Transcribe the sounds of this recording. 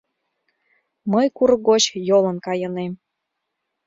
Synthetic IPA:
məjkuɾɤɡot͡ɕjolə̆nkɑjɤ̆nem

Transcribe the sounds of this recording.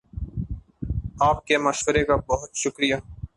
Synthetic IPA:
aːp̚kemɐʃwəɾekabɐɦʊt̪ʃʊkɾijaː

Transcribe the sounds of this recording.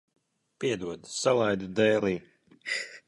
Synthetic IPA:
piɛd̪uɔd̪salˠajd̪ud̪ɛːlˠiː

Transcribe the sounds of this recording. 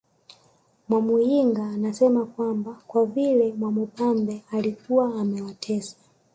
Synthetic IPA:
mwamujiŋɡaːnasɛmakwambakwavilɛmwamupambɛalikuwaːmɛwatʰɛsḁ

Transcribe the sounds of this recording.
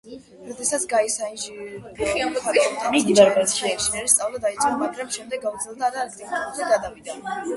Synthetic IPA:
ɾɔd̪ɛsat̪sʰɡaisaiʒiχianɔpʰaɾɔt̪ʼamid̪iaɾɛʃɛʃimɛɾist̪ʼavlˠad̪ait̪ʼɔmaɡɾamʃɛmd̪ɛɡːavd̪zɛlˠd̪aːɾaːk̚ʰt̪ʼivuɾt̪ʰaɡad̪amid̪an

